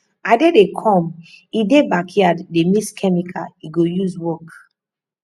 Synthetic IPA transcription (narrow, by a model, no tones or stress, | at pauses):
adedekʰɔ̃midebakiademiskʰɛmikʰaiɡojuzwɔk